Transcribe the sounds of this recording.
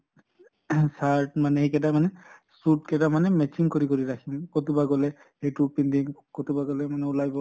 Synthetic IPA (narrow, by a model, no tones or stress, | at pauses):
saɹtmanɛekɛdamanɛsutkɛdamanɛmɛt͡ʃiŋkoɹikoɹiɹakʰimkotubaɡɔlɛ | hejtupindiŋkotubaɡɔlɛmanɛʊlajbɔ